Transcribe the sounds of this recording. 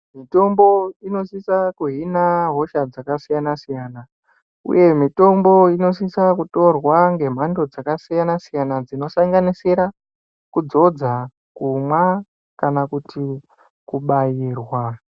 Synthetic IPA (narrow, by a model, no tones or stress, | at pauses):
mito̞mbo̞ino̞sisakuɦinaɦo̞ʃad͡zakasijanasijaːna | ṵje̞mito̞mbo̞ino̞s̬isakuto̞rwaŋɡe̞m̤ando̞d͡zakasijanasijanad͡zino̞saŋɡaniseɾa | kud͡zo̞d͡za | kumwa | kanakuti | kuɓajiːrwa